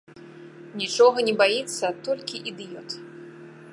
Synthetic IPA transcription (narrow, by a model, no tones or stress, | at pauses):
nʲit͡ʂɔɣɐnʲɛbajit̪sːɐt̪ɔlʲkʲiʔid̪ɨjɔt̪